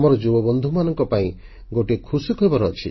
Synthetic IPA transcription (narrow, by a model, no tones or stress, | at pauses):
mɔɾɔd͡ʒubɔbɔnd̪ʱumanɔŋkɔpaĩ | ɡoʈiekʰusikʰɔibɔɾɔt͡ʃʰi